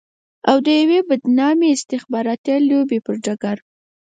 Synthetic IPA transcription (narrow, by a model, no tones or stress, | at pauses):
awd̪əjawebad̪nɑmeɪst̪ɪxbɑɾɑt̪alobepəɾd͡ʒaɡaɾ